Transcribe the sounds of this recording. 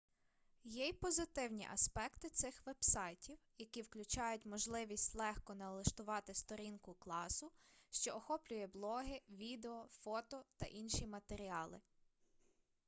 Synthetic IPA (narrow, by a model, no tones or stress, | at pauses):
jɛjpɔzɪt̪ɪwnʲḭʔɐ̰spɛkt̪ɪt̪sɪxʋɛb̥sɑjtʲiwjɐkʲiwklʲʊt͡ʃɑjʊtʲmɔʒlˠɪʋʲisʲtʲlˠɛxkɔnɐlˠɪʃt̪ʊʋɑt̪ɪst̪ɔɾʲinkʊklˠɑsʊʃt͡ʃɔɔxɔplʲʊjɛblˠɔɦɪʋʲid̪eɔfɔt̪ɔt̪ɐ̰ʔinʃimɐt̪eɾʲiɑlˠɪ̰